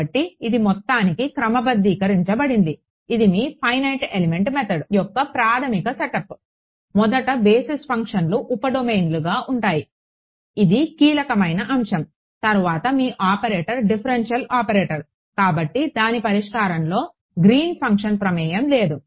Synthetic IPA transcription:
ɐʈːiid̪imɔt̪ːaːnikikɾɐmɐbɐd̪ːiːkɐɾiɲt͡ʃɐbɐɽind̪i | id̪imiːpʰɐjnɐjʈeleme̞ɳʈmɛt̪ʰɐɖujɔkːɐpɾaːt̪ʰɐmikɐsɛʈɐp | mɔd̪ɐʈɐbeːsispʰɐŋkʂɐnluʔupɐɖomejnluɡaːʔuɳʈaːji | id̪ikiːlɐkɐmɐjnɐʔɐmʂɐm | t̪ɐɾuʋaːt̪ɐmiːʔaːpɐɾeːʈɐɾɖipʰɐɾenʂɐlaːpɐɾeːʈɐɾ | kaːbɐʈːid̪aːnipɐɾiʂkaːɾɐmlo̞ː | ɡɾiːnpʰɐŋkʂɐnpɾɐmɛːjɐmle̞ːd̪u

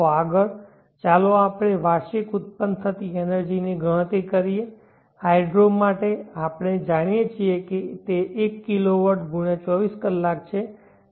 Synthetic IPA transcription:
aɡəɭ | t͡ʃaloapɽ̃eʋaʃikʊt̪̚pənd̪̚t̪ʰət̪ienəɾd͡ʒiniɡʱəɭ̃t̪ikəɾie | ajɖɾomːaʈeapɽ̃ed͡ʒaɽ̃ijet͡ʃʰieket̪eʔekːiloʋəɾʈɡʱuɽ̃et͡ʃɔʋiskəlːak̚t͡ʃʰe

